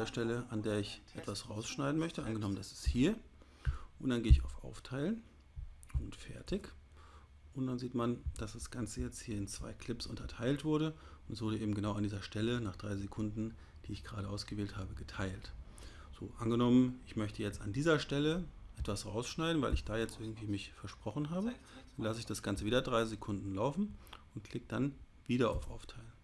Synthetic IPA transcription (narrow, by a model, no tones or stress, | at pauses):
deːɐʃtɛləʔandeːɐɪçʔɛtv̥asʁaʊsʃnaɪdn̩mœçtəʔanɡənɔməndasɪ̥sthiːɐ | ʔʊntd̥anɡeːɪça̰ʊfʔa̰ʊftʰaɪlən | ʊntfɛ̰ɐtʰɪç | ʔʊntd̥anziːtmand̥asd̥asɡ̥ant͡səjɛt͡sthiːɐɪnt͡sv̥a̰ɪkʰl̥ɪpsʔʊ̰ntʰɐtʰaɪltv̥ʊɐɾəʊntɛsvʊɐɾəʔeːbm̩ɡənaʊandiːzɐʃtɛlənaːχd̥ʁaɪzekʰʊndn̩ | d̥iːɪçɡ̥əʁaːɾəʔaʊsɡ̥əveːlthaːbəɡətʰaɪlt | z̥o̰ːʔanɡənɔmənɪçmœçtʰəjɛt͡standiːzɐʃtɛləʔɛtv̥asʁaʊsʃnaɪdn̩vaɪlɪçd̥aːjɛt͡stʔɪɐɡŋ̩tv̥iːmɪçfɛɐʃpʁ̥ɔχn̩ɦaːbə | d̥anlasəɪçd̥asɡ̥ant͡səviːdɐdʁaɪzekʰʊndn̩laʊfn̩ʊntkʰl̥ɪk̚d̥an | viːdɐʔa̰ʊfʔa̰ʊftʰaɪlən